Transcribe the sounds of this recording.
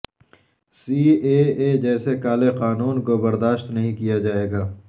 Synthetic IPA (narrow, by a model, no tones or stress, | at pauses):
siːeːeːd͡ʒɛːsekaːleqaːnuːnkobɐɾd̪aːʃt̪nɐɦĩkijad͡ʒaːeːɡaː